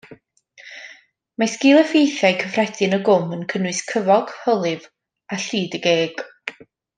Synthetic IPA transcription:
masɡɪːlˠɛfejθjajkʰəfrɛdɨnəɡʊmənkʰənwɨskʰəvɔɡ̥hɔlˠɨv | aɬiːdəɡeːɡ̥

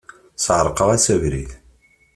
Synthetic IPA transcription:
sʕəɾˤqəʁæsævɾḭð

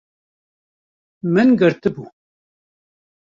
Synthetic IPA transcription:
mɨnɡɨɾt̪ɨbuː

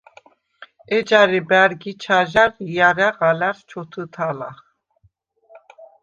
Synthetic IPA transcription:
ɛd͡ʒaɾibæɾɡit͡ʃʰaʒaɾijaɾaʁalaɾt͡ʃʰɔt̪ʰut̪ʰalaχ

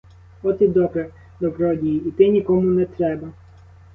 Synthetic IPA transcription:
ɔt̪id̪ɔpɾɛ | d̪ɔbɾɔdʲijiːt̪ɪnʲikɔmʊnɛt̪ɾɛbɐ

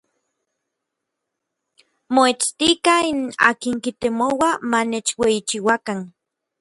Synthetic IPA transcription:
moet͡st̪ikaina̰ːkiŋkit̪emowamanet͡ʃweit͡ʃiwakan

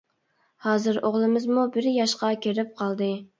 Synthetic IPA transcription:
hɑːzɨɾoʁlˠɨmɪzmubɪɾjɑʃqɑkʲʰeɾɪp̚qʰɑlˠd̪ɨ

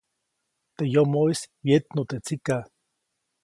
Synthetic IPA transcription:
t̪ejomoiswjet̪not̪et͡sika

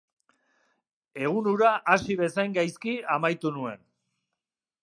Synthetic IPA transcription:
e̞ɣ̞unuɾaʔasiβe̞sajŋɡajskiamajt̪unue̞̰n

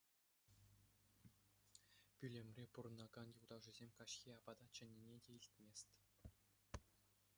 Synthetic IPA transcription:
pʲylʲemʲrʲepuɾɤ̆nɑɡɑnjulˠd̪ɑwʐɯzʲemʲkɑɕxʲiɑbɑd̪ɑt͡ɕɘ̆nʲːinʲedʲeilʲt̪ʲmʲesʲtʲ

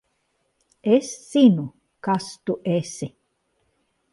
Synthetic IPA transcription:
esːinu | kast̪uʔesi

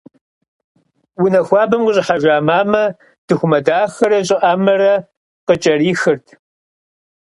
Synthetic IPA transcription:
wʊnɐxʷɑːbɐmqʊɕʼɪħaʒʷaːmaːmɐ | d̥ɨxʷʊmɐdaːxɐɾɐɕʼɪʔamɐrɐ | qət͡ʃʼɐriːxɨrtʰ

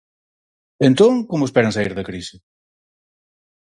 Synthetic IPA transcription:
ent̪oŋkomʊespɛɾɐŋsaiɾðɐkɾisɪ

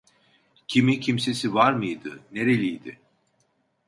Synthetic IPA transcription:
cʰimicʰimse̞sivaɾmɯjd̪ɯneɾelʲijd̪ɪ

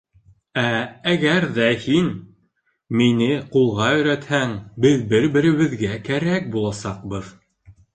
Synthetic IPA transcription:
ææɡæɾðæhin | minɘqulˠʁɑɵ̆jɾæt̪hæŋbɘðbɘɾbɘ̆ɾɘ̆βɘ̆ðɡækæɾæk̚bulˠɑsɑq̚bɤð

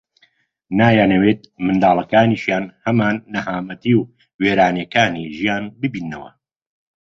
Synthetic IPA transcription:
naːjaːnɐweːt̪̚mɨnd̪aːlˠɐkaːniːʃjaːnhɐmaːnːɐhaːmɐt̪iːw | weːɾaːnjekaːniːʒijaːnbɨbiːnːɐwɐ̰

